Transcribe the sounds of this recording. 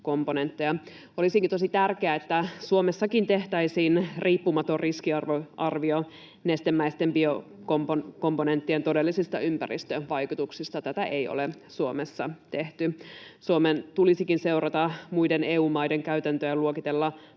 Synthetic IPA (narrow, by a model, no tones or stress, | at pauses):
ko̞mpone̞nt̪ːejɑ | o̞lisiŋkit̪osit̪ærkeæet̪ːæsuomesːɑkint̪e̞ht̪æisiːnrʔiːpːumɑt̪oriskiɑrʋoɑrʋio | nest̪emːæist̪e̞mbiokompoko̞mpone̞nt̪ːient̪ode̞lːisist̪ɑ̰ympærist̪øʋɑjkut̪uksist̪ɑt̪æt̪æʔejo̰le | suomesːɑt̪e̞ht̪ysuoment̪ulisikinse̞urɑt̪ɑmujdeneːuːmɑjde̞ŋkæyt̪ænt̪øjɑluokit̪elːɑ